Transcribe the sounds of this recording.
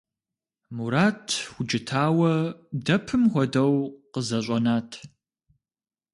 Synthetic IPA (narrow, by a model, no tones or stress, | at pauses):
muɾaːtʰxʷʊd͡ʒɪtʰaːwɐdɐpʰɨmxʷɔdɐwqəzɐɕʷʼɐnaːtʰ